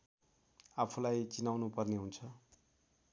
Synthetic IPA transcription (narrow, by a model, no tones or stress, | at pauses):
apʰulajt͡sinawnupʌrneɦunt͡sʰʌ